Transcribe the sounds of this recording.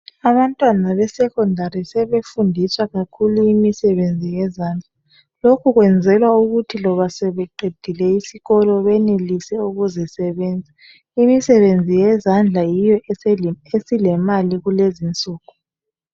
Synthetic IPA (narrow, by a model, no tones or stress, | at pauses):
aβantʼwanaβɛsɛkʰɔndʱaɾisɛβefundʱiswaɣakʰuluimisɛβend͡zʱijɛzaːnd͡ɮʱa | lokʰuɣwɛnd͡zʱɛlwauɣutʰilɔβasɛβɛǃʱed̥ʱilɛisiɣɔlɔβɛnelisɛuɣuzɛsɛβɛːnd͡zʱa | imisɛβend͡zʱijɛzand͡ɮʱajijɔɛesilɛmaliɣulezint͡sʼuːɣu